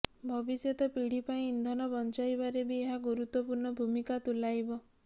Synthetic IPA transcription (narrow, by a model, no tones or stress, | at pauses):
bʱɔbisjɔt̪ɔpiɽ̤ipaĩːnd̪ʱɔnɔbɔnt͡ʃajbaɾebʱieɦaɡuɾut̪wɔpuɾɳɔbʱumikat̪ulajbɔ